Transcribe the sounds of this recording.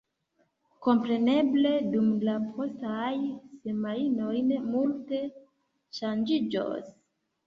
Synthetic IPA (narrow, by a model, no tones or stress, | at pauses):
ko̞mpɾe̞ne̞ble̞dumlapʰostajsemainojnemulte̞ | ʃand͡ʒid͡ʒo̰s